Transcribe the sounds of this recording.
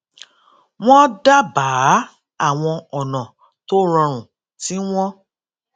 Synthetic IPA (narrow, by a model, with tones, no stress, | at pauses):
w̃ɔ̃˦da˦baː˨˦ | a˦˨w̃ɔ̃˧ɔ˨nã˨ | to˦ɾɔ̃˧ɾ̃ũ˨ | ti˦w̃ɔ̃˦